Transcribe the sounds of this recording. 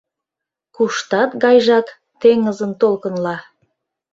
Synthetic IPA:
kuʃt̪ɑt̪ɣɑjʒɑk | t̪eŋəzənt̪olkənlɑ

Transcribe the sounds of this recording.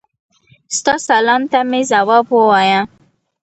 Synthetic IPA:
st̪ɑsalɑnt̪amezawɑbwəwajã

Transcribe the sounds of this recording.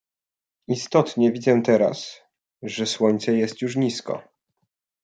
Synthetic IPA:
ist̪ɔt̪ɲɛvʲid̪zɛt̪ɛɾa̰s | ʐɛswɔɲt̪sɛjɛst̪juʂɲiskɔ̰

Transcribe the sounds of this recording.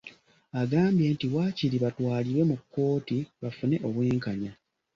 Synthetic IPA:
aɡaːmbjeːntiwaciɾiβatwaːliɾwe̞mukːo̞ːtiβafune̞ʔo̞βweːŋkaɲa

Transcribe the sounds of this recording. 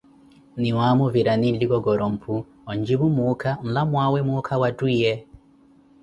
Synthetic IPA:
niwamɔviɾaninliɡɔɡɔɾɔm̩pʰu | ɔɲd͡ʒiβumukʰam̩lamwawɛmuːkʰawatwijɛ

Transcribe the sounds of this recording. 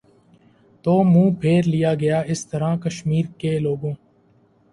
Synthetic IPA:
t̪oːmũːpʰeːɾlɪjaːɡɐjaːɪst̪əɾãːkəʃmiːɾkeːloːɡõː

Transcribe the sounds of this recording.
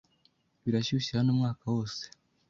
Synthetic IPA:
βiɾaɕuɕiɾanuːmŋaːkawo̞ːse̥

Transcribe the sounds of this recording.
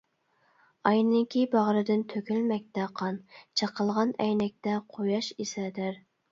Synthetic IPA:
ɑjnɪŋkʲʰibɑʁɾɨd̪ɪnt̪ʰøkʲylmɛk̚ʲt̪ɛqʰɑnt͡ʃʰəqəlˠʁɑnɛjnɛk̚ʲt̪ɛqʰojɑʃisɛd̪ɪɾ

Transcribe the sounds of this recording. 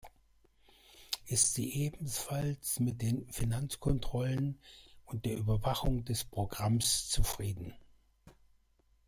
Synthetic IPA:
ʔɪstz̥iːʔeːbm̩sfalsmɪt̚d̥eːnfinant͡skʰɔntʁ̥ɔlənʔʊnt̚d̥eːɐʔyːbɐvaχʊŋdɛspʁ̥oɡʁamst͡sufʁ̥iːdn̩

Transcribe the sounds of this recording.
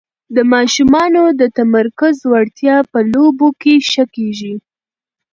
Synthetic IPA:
d̪əmɑʃumɑnod̪ət̪amaɾkʊzwaɽt̪jɑpəlobokeʃəkeʒi

